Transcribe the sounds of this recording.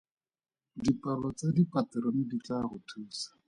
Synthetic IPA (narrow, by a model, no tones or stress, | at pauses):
dipʼalɔt͡sadipʼatɛɾɔnɪdit͡ɬaɣʊtʰuːsḁ